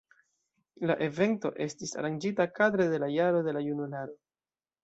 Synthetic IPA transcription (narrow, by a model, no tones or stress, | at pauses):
laʔe̞ve̞nto̞̰ʔe̞stisa̰ɾand͡ʒitakad̪ɾe̞de̞lajaɾo̞de̞lajunulaɾo̞